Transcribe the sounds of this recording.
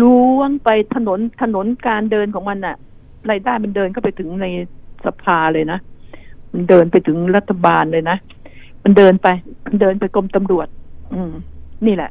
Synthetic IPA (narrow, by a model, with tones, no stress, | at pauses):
ɾuː˦˥˩ŋpa˧jt̪ʰa˧no˩˦nt̪ʰa˧no˨˩˦nkaː˧ndɤː˧nkʰɔː˩˦ŋma˧nʔa˨˩ʔ | ɾaː˧jdaː˥˩jma˧ndɤː˧nka˥˩pa˧jt̪ʰɯ˩˦ŋna˧jsa˧pʰaː˧lɤː˧jna˦˥ma˧ndɤː˧npa˧jt̪ʰɯ˩˦ŋɾa˦˥t̪ʰːa˧baː˧nlɤː˧jna˦˥ʔ | ma˧ndɤː˧npa˧jma˧ndɤː˧npa˧jko˧mt̪a˧mɾu˨˩ət̪̚ʔɯː˧mniː˥˩lɛ̰˨˩ʔ